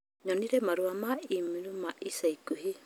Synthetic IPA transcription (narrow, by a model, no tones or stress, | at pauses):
ɲɔniɾɛmaɾuamaimiɾumaʔisaikuɦe